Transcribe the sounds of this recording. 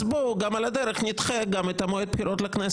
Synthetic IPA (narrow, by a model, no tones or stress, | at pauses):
boɡamalad̪eɾeχnit̪χeɡamet̪amoet̪̚piɾʔot̪lakne